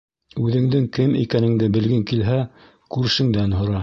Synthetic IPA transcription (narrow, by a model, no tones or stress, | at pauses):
ʉðɘ̆ŋd̪ɘŋkɘmḭkænɘ̆ŋd̪ɘbɘ̆lɡɘŋkilɦæ | kʉɾʃɘ̆ŋd̪ænɦŏɾɑ